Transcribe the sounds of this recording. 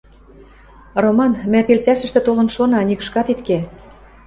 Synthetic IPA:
romɑnmæpelt͡sæʃɘ̆ʃt̪ĕt̪olɤ̆nʃonɑnʲikə̥̆ʃkɑt̪it̪ke

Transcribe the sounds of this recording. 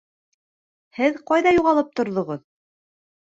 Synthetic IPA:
hɘðqɑjðɑjuʁɑlˠɤp̚t̪ŏɾðŏʁɤð

